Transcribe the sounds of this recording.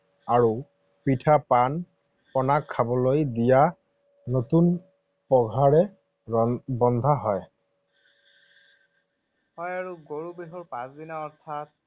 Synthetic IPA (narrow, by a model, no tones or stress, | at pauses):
aɹu | pitʰapan | pɔnakʰːabɔlojdija | notun | pɔɡʱaɹɛ | bɔnd̪ʱaɦɔj | hɔjaɹuɡoɹubeɦɔɹpãsd̪inaɔɹtʰat̚